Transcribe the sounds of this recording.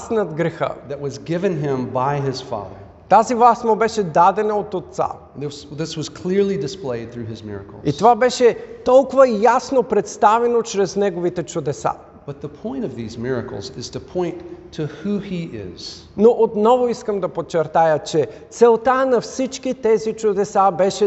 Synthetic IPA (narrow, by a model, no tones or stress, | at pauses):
snɐd̪ɡɾɛxə̰ðɨʔ̚wʌzɡɪvɨ̃nɪ̃mbaɪɪz̥fɑ̰ðə̰˞ | t̪azivlˠasməbɛʃɛd̪ad̪ɛnəot̪ot̪sa̰ | ðɪswʌz̥kʰl̥ɪɹlˠidɨspleɪd̪̚θɹʉɨzmɪ̰ɹɨ̰kl̩ˠit̪ovabɛʃɛt̪ɔlˠkʊvɐjasnopɾɛt̪st̪avɛnot͡ʃɾɛznɛɡovit̪ɛt͡ʃʊd̪ɛsa̰ | b̥ʌt̪̚ðəpʰɔ̃ɪ̃ñʌvðizmɪɹɨ̰kl̩ˠzɪz̥tʰɨpʰɔ̃ɪ̃ntʰɨhuiɪ̰z̥ | noʔot̪nɔvoiskəmd̪ɐpot͡ʃɛɾt̪ajət͡ʃɛt̪sɛlˠt̪anɐfsit͡ʃkit̪ɛzit͡ʃʊd̪ɛsabɛʃɛ